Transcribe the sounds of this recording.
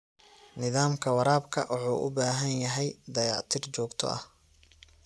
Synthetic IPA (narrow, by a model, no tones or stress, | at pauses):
nɪðaːmkʰɐwɑɾaːbkʰɐ̰ʔʊħṵːʔʊ̰baːɦɐnjɐɦɛjd̪ɐjɑːʕt̪ʰɪrt͡ʃɔːɡt̪ʰɔ̰ʔɐ̰h